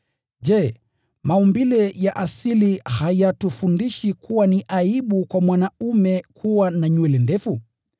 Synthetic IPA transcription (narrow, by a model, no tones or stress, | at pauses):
ʄɛː | maumbilɛjaʔasilihajatufundiʃikʰuwaniʔaiɓukwamwanaumɛkʰuwanaɲuwɛlɛndɛfu